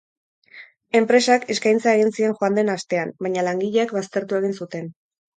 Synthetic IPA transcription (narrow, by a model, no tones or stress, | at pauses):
e̞mpɾe̞sake̞skajnt͡sae̞ɣ̞insie̞nxoand̪e̞nast̪e̞anbajɲalaŋɡiʎeːkβast̪e̞ɾt̪ue̞ɣ̞insut̪e̞n